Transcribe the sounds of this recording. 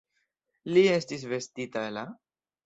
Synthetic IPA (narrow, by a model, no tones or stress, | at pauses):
lie̞stis̬ve̞stitaela